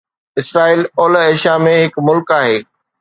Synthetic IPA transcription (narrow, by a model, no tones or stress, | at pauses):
ɪsɾaːiːloːleːʃamẽɦɪkmʊlkaːɦeː